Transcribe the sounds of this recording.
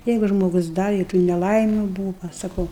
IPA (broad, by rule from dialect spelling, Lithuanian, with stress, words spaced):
ˈjɛɪɡʊ ʒmoːˈɡʊs ˈdɐ ɪ tuː nʲɛˈlˠɐɪmʲʊ ˈbuːʋɐ sɐˈkɐʊ